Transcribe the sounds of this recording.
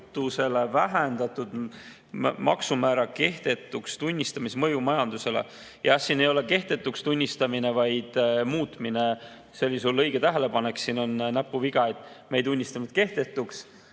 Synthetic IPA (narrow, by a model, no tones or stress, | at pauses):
t̪ːˑuse̞le̞væɦend̪ɑt̪ːˑud̪̥ | mɑ̰ksumæːɾɑke̞ht̪e̞t̪ːˑukst̪unʲːist̪ɑmismɤjumɑjɑnd̪use̞lḛ | jʔɑɑsːine̞jole̞ke̞ht̪e̞t̪ːˑukst̪unʲːist̪ɑmine̞vɑjd̪̥muːt̪mine̞ | selːisulːɤjɡ̥e̞t̪æɦele̞pɑne̞ksiːno̞nnæpːˑuviɡ̥ɑet̪me̞jd̪unʲːist̪ɑmit̪ke̞ht̪e̞t̪ːˑuks